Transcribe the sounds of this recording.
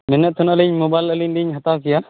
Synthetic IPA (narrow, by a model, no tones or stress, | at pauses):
mɛnɛt̪ʰɔnəliɲmobajləliɲliɲɦat̪akija